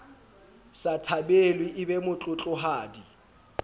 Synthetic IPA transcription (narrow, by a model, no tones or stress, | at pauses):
satʰabelwiʔɪbemʊt͡ɬʼʊt͡ɬʼʊɦaːdi